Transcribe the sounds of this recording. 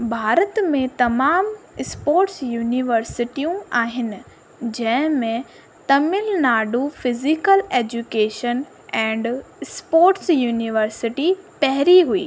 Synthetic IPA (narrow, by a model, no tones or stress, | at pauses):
bʱaːɾət̪mẽt̪ɐmaːmspoːɾʈsjuːniʋəɾsɪʈijũaːɦɪnɪ̆ | d͡ʑɐ̃ɦɪ̃mẽ | t̪ɐmɪlnaːɖufɪzɪkəleːd͡ʑukeːʃən | ɛ̃ːɳɖspoːɾʈsjuːniʋəɾsɪʈipɐɦɪɾiɦuḭː